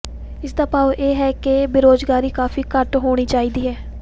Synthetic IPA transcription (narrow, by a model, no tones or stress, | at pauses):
ɪsd̪aːpaːʋʔeːɦɛːkebeːɾoːzɡaːɾiːkaːfiːkəʈɦoːɽ̃iːt͡ʃaːiːd̪iːɦɛː